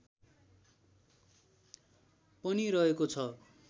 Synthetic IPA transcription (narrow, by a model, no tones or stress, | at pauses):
pʌniɾʌɦekot͡sʰʌ